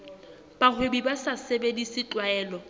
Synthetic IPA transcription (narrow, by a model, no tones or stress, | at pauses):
b̥aχʰwebibasasebedisɪt͡ɬʼwaɛːlɔ